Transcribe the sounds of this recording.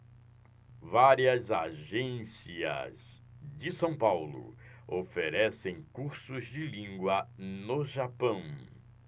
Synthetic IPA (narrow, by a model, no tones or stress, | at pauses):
vaɾiɐzaʒẽsiɐ̰z | d͡ʒɪsɐ̃w̃pawlʊ̰ofeɾɛsẽj̃kuɾsʊzd͡ʒɪlĩŋɡwɐnoʒapɐ̃w̃